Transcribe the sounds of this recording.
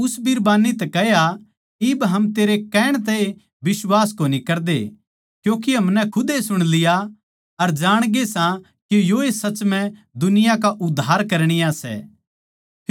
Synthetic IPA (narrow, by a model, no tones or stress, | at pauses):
ʊsbiɾbaːnːit̪ɛkɛɦja | ɪbɦɐmt̪eːɾekɛːɽ̃t̪ɛe | bɪswaːskoːnikɐɾd̪ḛ | kjõːk̬iɦɐmnɛkʰʊd̪esʊɽ̃lɪja | ɐɾd͡ʒaːɽ̃ɡesã | kijoesɐt͡ʃmɛ̃ | d̪ʊnɪjãkaʔʊd̪ʱːaːɾkɐɾɽ̃ɪjasɛ̰ː